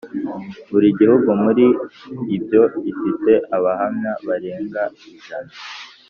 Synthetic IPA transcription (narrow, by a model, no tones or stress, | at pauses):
βuɾiɟihuɡumuɾiibjo̞ifite̞ʔaβahamɲaβaɾeːŋɡaiʒana